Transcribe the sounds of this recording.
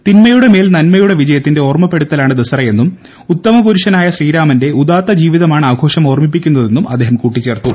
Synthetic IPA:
t̪inmɐjuɽe̞me̞ːlnɐnmɐjuɽeʋid͡ʑɐjɐt̪ːinde̞o̞ːrmɐpːe̞ɽut̪ːɐlaːɳɨd̪ɐsɐrɐje̞nːum | ut̪ːɐmɐkuɾuʂɐnaːjɐɕriːɾaːmɐnde̞ʔud̪aːt̪ːɐd͡ʑiːʋiðɐmaːɳɨaːɐɡʱo̞ːʂɐmo̞ːrmip̬ːikʲːunːɐðe̞nːumʔɐd̪ʱːeːɦɐmkuːʈːit͡ɕːe̞ːrt̪ːu

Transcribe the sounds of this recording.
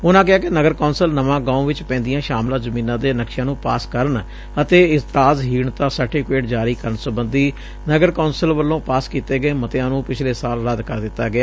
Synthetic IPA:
ʊnãːk̬ɪaːkɪnəɡəɾkoːnsəlnəʋãːɡãːũːʋɪt͡ʃpɛ̃ːnd̪ɪjãːʃaːmlãːzəmĩːnãːd̪eːnəkʃãːnũːpaːskəɾəɳ | ət̪eːɪzt̪ɾaːzɦiːɳt̪aːsəɾʈɪfkeːʈd͡ʒaːɾiːkəɾəɳsəbənd̪iː | nəɡəɾkoːnsəlʋəlːõːpaːskiːt̪eːɡəeːmət̪ejãːnũːpɪt͡ʃʰleːsaːlɾəd̪kəɾd̪ɪt̪ːaːɡɪaː

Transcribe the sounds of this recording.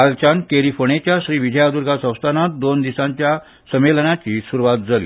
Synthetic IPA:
alt͡ɕankeɾifoɳet͡ɕjaɕɾiːʋid͡ʑʱəjad̪uɾɡʱasə̃w̃st̪ʰanat̪̚d̪ond̪isãɲt͡ɕja | səmelənat͡ɕiːsuɾuʋat̪̚d͡zalḭː

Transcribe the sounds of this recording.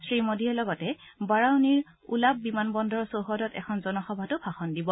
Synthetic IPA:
sɹimodiɛlɔɡɔtɛbaɹawniɹ | ṵlab̚bimanbɔndʱɔɹsowɦɔdɔtɛ̰kʰɔnzɔnɔxɔbʱatʊbʰʱaxɔndibɔ

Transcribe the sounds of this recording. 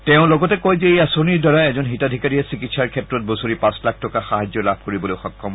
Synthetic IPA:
tɛʊ̃lɔɡɔtɛkɔjzɛejasoniɹdɔɹajɛzɔnɦitadʱikaɹiɛsikitsaɹkʰɛtɹɔt̚bosoɹipãslak̚ʰtɔkaxaɦazɔlab̚koɹibɔloʊxɔkʰːɔm

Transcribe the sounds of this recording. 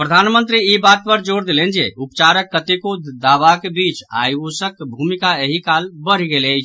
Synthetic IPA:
pɾəd̪ʱanmənt̪ɾiibat̪̚pəɾd͡ʒoɾd̪elend͡ʒeʔupt͡ʃaɾəkːət̪ekod̪aʋakebit͡ʃa̰josəkbʱumikaeɦikalbəɾ̤iɡelət͡ʃʰ

